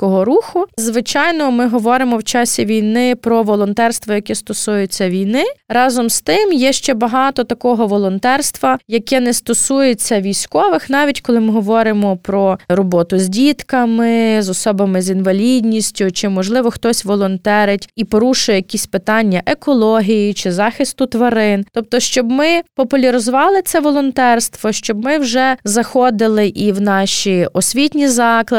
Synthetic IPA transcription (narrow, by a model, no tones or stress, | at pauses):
kɔɦɔɾuxʊzʋɪt͡ʃɑjnɔmɪɦɔʋɔɾɪmɔwt͡ʃɑsʲiʋʲijnɪpɾɔʋɔlˠɔnt̪ɛrst̪ʋɐjɐkɛst̪ɔsujʊt͡sʲːɐʋʲijnɪɾɑzɔmst̪ɪmjɛʃt͡ʃɛbɐɦɑt̪ɔt̪ɐkɔɦɔʋɔlˠɔnt̪ɛrst̪ʋɐjɐkɛnɛst̪ɔsujet͡sʲːɐʋʲijsʲkɔʋɪxnɑʋʲitʲkɔlˠɪmɪɦɔʋɔɾɪmɔpɾɔɾɔbɔt̪ʊzʲdʲit̪kɐmɪzɔsɔbɐmɪzʲinʋɐlʲidʲnʲisʲtʲʊt͡ʃɪmɔʒlˠɪʋɔxt̪ɔsʲʋɔlˠɔnt̪ɛɾɪtʲipɔɾuʃʊjɛjkʲisʲpɪt̪ɑnʲːɐʔekɔlˠɔɦʲijit͡ʃɪzɑxɪst̪ʊt̪ʋɐɾɪnt̪ɔp̚t̪ɔʃt͡ʃɔbmɪpɔpʊlʲɐɾɪzɔʋɑlˠɪt̪sɛʋɔlˠɔnt̪ɛrst̪ʋɔʃt͡ʃɔbmɪwʒɛzɐxɔd̪ɪlˠɪʔiwnɑʃiɔsʲʋʲitʲnʲizɑklˠɐ